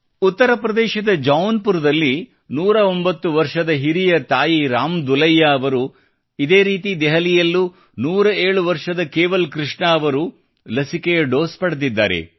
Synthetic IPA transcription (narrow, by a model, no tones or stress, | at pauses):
ut̪ːɐɾɐpɾɐd̪ɛːʃɐd̪ɐd͡ʒɐwnpuɾd̪ɐlːi | nuːɾɐo̞mbɐt̪ːuʋɐɾʂɐd̪ɐɦiɾijɐt̪aːjiɾaːmd̪ulɐjːaɐʋɐɾu | id̪e̞ːɾiːt̪id̪ɛɦɐlijɐlːu | nuːɾɐeːɭuʋɐɾʂɐd̪ɐkeːʋɐlkɾiʂɳɐːʋɐɾu | lɐsikejɐɖo̞ːspɐɽed̪id̪ːaːɾḛ